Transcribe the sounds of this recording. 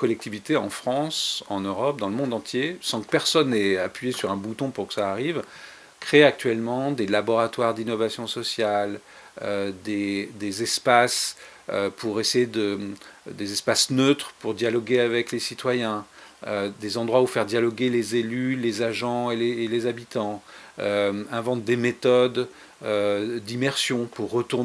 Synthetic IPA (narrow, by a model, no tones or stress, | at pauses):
kɔlɛk̚t̪ivit̪eɑ̃fχɑ̃sɑ̰̃nøʁɔp̚d̪ɑ̃ləmɔ̃d̪ɑ̃t̪jesɑ̃kə̥pɛʁsɔnːɛapɥijesyʁɛ̃but̪ɔ̃puʁkə̥saːʁiv | kχeak̚t̪ɥɛlmɑ̃d̪elabɔʁat̪waʁd̪inɔvasjɔ̃sɔsjal | ød̪ed̪ezɛspas | øpʰuʁesejed̪əd̪ezɛspasnøt̪χəpuʁd̪jalɔɡʲeavɛklesit̪wajɛ̃ød̪ezɑ̃d̪ʁwaufɛʁd̪jalɔɡʲelezelylezaʒɑ̃elelezabit̪ɑ̃øɛ̃vɑ̃t̪̚d̪emet̪ɔd̪ | ød̪imɛʁsjɔ̃puʁːət̪uʁ